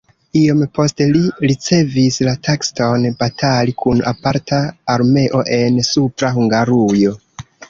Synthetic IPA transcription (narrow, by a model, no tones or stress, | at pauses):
io̞mpo̞steliɾit͡se̞vislatʰeksto̞nbatʰalikʰuna̰paɾtʰaːɾme̞ʔo̞ʔe̞nsupɾaɦuŋɡaɾujo̞